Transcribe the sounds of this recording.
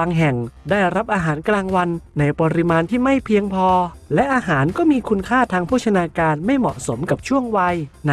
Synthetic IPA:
aː˧ŋɦɛ˨˩ŋdaː˥˩jɾa˦˥p̚ʔaː˧ɦaː˩˦nklaː˧ŋwa˧nːa˧jpɔː˧ɾi˦˥maː˧nt̪ʰiː˥˩ma˥˩jpʰi˧əŋpʰɔː˧lɛ˦˥ʔaː˧ɦaː˩˦nkɔː˥˩miː˧kʰu˧nkʰaː˥˩t̪ʰaː˧ŋpʰu˥˩t̚t͡ɕʰa˧naː˧kaː˧nma˥˩jmɔ̰˨˩ʔso˩˦mka˨˩p̚t͡ɕʰu˥˩əŋwa˧jn

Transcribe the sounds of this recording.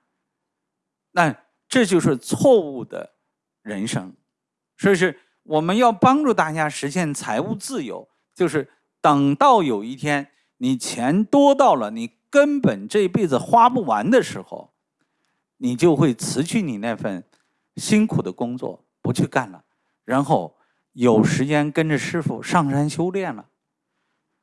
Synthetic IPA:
na˥˧ | ʈ͡ʂɤ˥˧t͡ɕjo˥˧ʊʂɻ̩˥˧t͡sʰwɔ˥˧u˥˩d̪ə̰˩ | ɻə˧˥nʂɤ˥ŋ | swɔ˧˥˧ʂɻ̩˥˩ | wʔɔ˨˩mə˦njɑ˥˩ʊpɑ˥ŋʈ͡ʂu˥˧t̪a˥˩t͡ɕja˥ʂɻ̩˧˥ɕjɛ˥˩nt͡sʰa˧˥ɪu˥˧t͡sɹ̩˥˩jo̰˧˥ʊ | t͡ɕjo˥˧ʊʂɻ̩˥˩ | t̪ɤ˨˩ŋt̪ɑ˥˩ʊjo˨˩ʊi˥˩t̪ʰjɛ˥n | ni˨˩t͡ɕʰjɛ˧˥nt̪wɔ˥t̪ɑ˥˩ʊlə˩ni˨˩kə˥npə˨˩nʈ͡ʂɤ˥˧i˥pe˥˩ɪd͡zɹ̩˨˩xwa˥pu˥˩wa˧˥nd̪ə˧ʂɻ̩˧˥xo̰˧˩ʊ | ni˨˩t͡ɕjo˥˧ʊxwe˥˩ɪt͡sʰɹ̩˧˥t͡ɕʰy˥˩ni˨˩na˥˧ɪfə̰˥˩n | ɕi˥nkʰu˨˩d̪ə˦kʊ˥ŋt͡swɔ̰˥˩ | pu˧˥t͡ɕʰy˥˧ka˥˩nlə̰˩ | ɻa˧˥nxo˥˩ʊ | jo˨˩ʊʂɻ̩˧˥t͡ɕjɛ˥nkə˥nʈ͡ʂə˨ʂɻ̩˥fṵ˨˩ʂɑ˥˩ŋʂa˥nɕjo˥ʊljɛ˥˩nlə̰˩

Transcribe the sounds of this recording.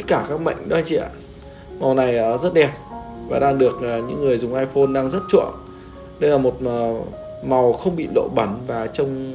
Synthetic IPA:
t̪t̚kaː˧˩kaː˦˥k̚ma̰˧˨jŋ̟ɗo˨˦hə˧jt͡ɕḭ˧˨ə˨˩ | ma˨˩wna˨˩jʔəː˨˩zə˦˥t̚ɗɛ˨˩p̚vaː˨˩ɗaː˧ŋɗɨ˨˩ək̚ʔːɲɨ̰˧˥ŋːɨ˨˩əjzʊ˨˩ŋ͡mʔaː˧jfo˧nɗaː˧ŋzə˦˥t̚t͡ɕṵ˧˩˨əŋ | ɗə˧jlaː˨˩mo˨˩t̚ː | ma˨˩wxə˧wŋ͡mɓḭ˧˨lo̰˧˥ɓə˨˦nvaː˨˩t͡ɕə˧wŋ͡m

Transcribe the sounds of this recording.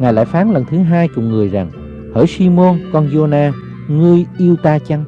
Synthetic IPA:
ŋaː˨˩jla̰ː˧˨jfaː˨˦nlə˨˩nt̪ʰɨ˨˦ɦaː˧jkʊ˨˩ŋ͡mŋɨ˨˩əjza˨˩ŋ | həː˧˩jsi˧mo˧nkɔ˧nzo˧naː˧ | ŋɨ˧əjʔi˧əwt̪aː˧t͡ɕa˧ŋ

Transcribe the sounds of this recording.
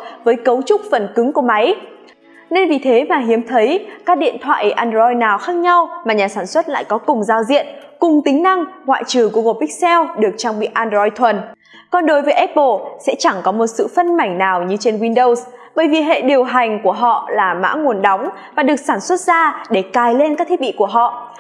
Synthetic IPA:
vəː˨˦jkə˨˦wt͡ɕʊ˦˥k͡p̚fə˨˩nkɨ˨˦ŋku˧˩əma˨˦j | ne˧nvi˨˩t̪ʰe˨˦maː˨˩ɦi˨˦əmt̪ʰə˨˦jkaː˦˥k̚ɗḭ˧˨ənt̪ʰwa̰ː˧˨ʔi˨˦˩ʔaː˧nzɔ˧jnaː˨˩wxaː˦˥k̚ɲa˧wmaː˨˩ɲaː˨˩saː˧˩nswə˦˥t̚la̰ː˧˨jkɔ˨˦kʊ˨˩ŋ͡mzaː˧wzḭ˧˨ənkʊ˨˩ŋ͡mt̪ï˨˦ŋ̟na˧ŋŋwa̰ː˧˨jt͡ɕɨ˨˩ku˧˩əŋo˨˩ɓï˦˥k̚sɛ˧wɗɨ˨˩ək̚t͡ɕaː˧ŋ͡mɓḭ˧˨ʔaː˧nzɔ˧jt̪ʰwə˨˩n | kɔ˨˩nɗo˨˦jvəː˨˦jʔɛ˦˥t̚ɓo˧˩sɛ̰˧˥t͡ɕa˧˩ŋkɔ˨˦mo˨˩t̚sɨ̰˧˨fə˧nma˧˩jŋ̟naː˨˩wɲɨ˧t͡ɕe˧nwi˧nɗo˧ws | ɓəː˧˩jvi˨˩ɦḛ˧˨ɗi˨˩əwɦa˨˩jŋ̟ku˧˩əɦɔ̰˧˨laː˨˩ma̰ː˧˥ŋu˨˩ənɗa˨˦wŋ͡m | vaː˨˩ɗɨ˨˩ək̚saː˧˩nswə˦˥t̚zaː˧ɗe˧˩kaː˨˩jle˧nkaː˦˥k̚t̪ʰi˦˥ɓḭ˧˨ku˧˩əɦɔ̰˧˨

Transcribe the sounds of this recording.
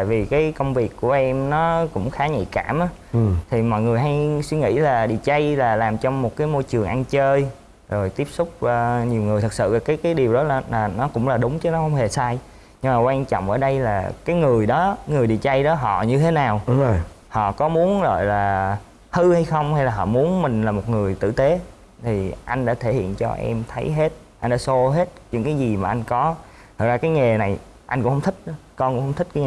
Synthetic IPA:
t̪a̰ː˧˨jvi˨˩kaː˨˦jkə˧wŋ͡mvi˨˩əkːu˧˩əʔɛ˧mnɔ˨˦kʊ̰˧˥ŋ͡mxaː˨˦ɲḭ˧˨kaː˧˩mʔaː˨˦ | t̪ʰi˨˩mɔ̰˧˨jŋɨ˨˩əjɦa˧jswi˧ŋḭ˧˥laː˨˩ɗḭ˧˨t͡ɕa˧jlaː˨˩laː˨˩mt͡ɕɔ˧wŋ͡mmo˨˩t̚kaː˨˦jmo˧jt͡ɕɨ˨˩əŋʔa˧nt͡ɕəː˧j | zo˨˩jt̪i˦˥əp̚sʊ˦˥k͡p̚əː˧ɲi˨˩əwŋɨ˨˩əjt̪ʰɨ˨˩k̚sɨ̰˧˨aː˨˩kaː˨˦jkaː˨˦jɗi˨˩əwɗɔ˨˦laː˨˩laː˨˩nɔ˨˦kʊ̰˧˥ŋ͡mlaː˨˩ɗʊ˨˦ŋ͡mt͡ɕə˨˦nɔ˨˦xə˧wŋ͡mhe˨˩saː˧j | ɲɨ˧ŋmaː˨˩kwaː˧nt͡ɕɔ̰˧˨ŋ͡mʔəː˧˩ɗə˧jlaː˨˩kaː˨˦jŋɨ˨˩əjɗɔ˨˦ŋɨ˨˩əjɗḭ˧˨t͡ɕa˧jɗɔ˨˦ɦɔ̰˧˨ɲɨ˧t̪ʰe˨˦naː˨˩whɔ̰˧˨kɔ˨˦mu˨˦ənzo̰˧˨jlaː˨˩ | hɨ˧ha˧jxə˧wŋ͡mha˧jlaː˨˩ɦɔ̰˧˨mu˨˦ənmï˨˩ŋ̟laː˨˩mo˨˩t̚ŋɨ˨˩əjt̪ɨ̰˧˨t̪e˨˦ | t̪ʰi˨˩ʔa˧jŋ̟ɗa̰ː˧˥t̪ʰe˧˩hḭ˧˨ənt͡ɕɔ̰˧ʔɛ̰˧mt̪ʰə˨˦jɦe˦˥t̚ | ʔa˧jnɗaː˧˦so˧ɦe˦˥t̚ɲɨ̰˧˥ŋkaː˨˦jzi˨˩maː˨˩ʔa˧jŋ̟kɔ˨˦ | t̪ʰə˨˩k̚zaː˧kaː˨˦jŋe˨˩na˨˩j | ʔa˧jŋ̟kʊ˧˥ŋ͡mhə˧wŋ͡mt̪ʰï˦˥k̟̚kɔ˧nkʊ̰˧˥ŋ͡mhə˧wŋ͡mt̪ʰk̚kːɲː˨˩

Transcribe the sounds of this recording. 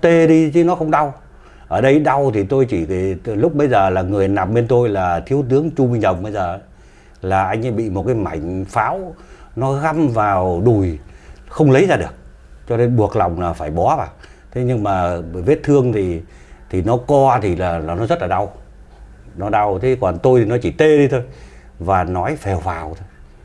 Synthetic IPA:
t̪e˧ɗi˧t͡ɕʰi˨˦nɔ˨˦xə˧wŋ͡mɗa˧w | ʔəː˧˩ɗə˧jɗa˧wt̪ʰi˨˩t̪o˧jt͡ɕi˧˩˨lʊ˦˥k͡p̚ɓə˧jzəː˨˩laː˨˩ŋɨ˨˩əjna˨˩m̚ɓe˧nt̪o˧jlaː˨˩t̪ʰi˨˦əwt̪ɨ˨˦əŋt͡ɕu˧mi˧ŋzə˨˩wŋ͡m̚ɓə˧jzəː˨˩˨ | laː˨˩ʔa˧jŋ̟ʔa˧˦jɓḭ˧˨mo˨˩t̚kaː˨˦jma̰˧˩jŋ̟faː˨˦wnɔ˨˦ɣa˧mvaː˨˩wɗu˨˩jxə˧wŋ͡mlə˨˦jzaː˧ɗɨ˨˩ək̚ | t͡ɕɔ˧ne˧nɓu˨˩ək̚la˨˩wŋ͡mlaː˨˩faː˧˩jɓɔ˨˦va̰ː˧˨˩w | t̪ʰe˨˦ɲɨ˧ŋmaː˨˩ve˦˥t̚t̪ʰɨ˧əŋt̪ʰi˨˩ | t̪ʰi˨˩nɔ˨˦kɔ˧t̪ʰi˨˩laː˨˩˨nɔ˨˦zə˦˥t̚laː˨˩ɗa˧w | nɔ˨˦ɗa˧wt̪ʰe˨˦kɔ˨˩nt̪o˧jt̪ʰi˨˩nɔ˨˦t͡ɕi˧˩t̪e˧ɗi˧t̪ʰo˧jvaː˨˩nɔ˨˦jfɛ˨˩whaː˨˩wt̪ʰo˧j

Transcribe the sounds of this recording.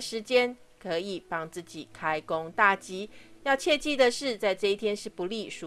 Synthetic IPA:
ʂɻ̩˧˦t͡ɕjɛ˦n | kʰɤ˨˦i˨˩pɑ˥ŋt͡sɹ̩˥˩t͡ɕi˨˩kʰa˦ɪko˦ŋt̪a˥˩t͡ɕi˥jɑ˥˧ʊt͡ɕʰjɛ˥˧t͡ɕi˥˧d̪ə˨ʂɻ̩˥˧t͡sa˥˧ɪʈ͡ʂɤ˥˧i˥˩t̪ʰjɛ˥nʂɻ̩˥˩pu˨˧˦li˥˨ʂu˧

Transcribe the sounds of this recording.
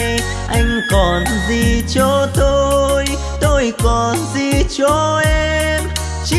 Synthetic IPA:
ʔa˧jŋ̟kɔ˨˩nzi˨˩t͡ɕɔ˧t̪o˧j | t̪o˧jkɔ˨˩nzi˨˩t͡ɕɔ˧ʔɛ˧m | t͡ɕi˧

